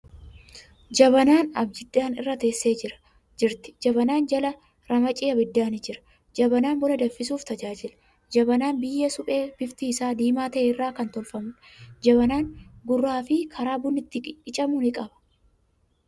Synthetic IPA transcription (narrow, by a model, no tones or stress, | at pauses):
d͡ʒɐβɐnaːnɐbd͡ʒɪd̪ːaːnɪ̰rːɐt̪e̞ːsːe̞ːd͡ʒɪɾɐ̥ | d͡ʒɪɾt̪ɪ̥d͡ʒɐbɐnaːnd͡ʒɐlɐ | ɾɐmɐt͡ʃʼiːɐbɪd̪ːaːnɪd͡ʒɪɾɐ̥ | d͡ʒɐbɐnaːnbɔlɐd̪ɐfːɪsuːft̪ɐd͡ʒaːd͡ʒɪlɐ̥ | d͡ʒɐbɐnaːnbɪjːɐsʊpʼe̞ːb̥ɪft̪iːsaːd̪iːmaːt̪ɐʔeːɪrːaːkɐnt̪ɔlfɐmʊ | d͡ʒɐβɐnaːŋɡʊrːaːfɪkʰɐɾaːbʊnɪt̪ːɪkʼɪɪt͡ʃʼɐmuːnɪkʼɐbɐ̥